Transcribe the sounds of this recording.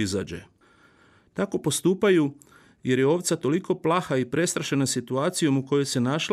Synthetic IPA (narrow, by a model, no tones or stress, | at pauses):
iza̰ːd͡ʑḛ | t̪ako̞po̞st̪uːpaju | je̞ɾjeo̞ʋt̪sat̪o̞liko̞plˠaxaipɾʔe̞st̪ɾaʃe̞nasit̪uaːt̪sijo̞muko̞jo̞jse̞naʃ